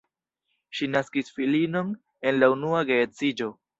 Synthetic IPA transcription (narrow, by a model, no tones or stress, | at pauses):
ʃinaskisfilino̞n | e̞nlaunuaɡe̞ːt͡sid͡ʒo̞